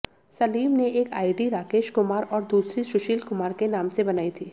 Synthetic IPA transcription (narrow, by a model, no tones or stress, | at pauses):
sɐliːmneeːkaːɪɖiɾaːkeːʃkʊmaːɾɔːɾd̪uːsɾiʃʊʃiːlkʊmaːɾkenaːmsebɐnaːit̪ʰiː